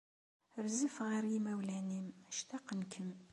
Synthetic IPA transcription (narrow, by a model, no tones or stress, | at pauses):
ɾzəfʁaɾimæwlæniməʃt̪ɑqənkʰəm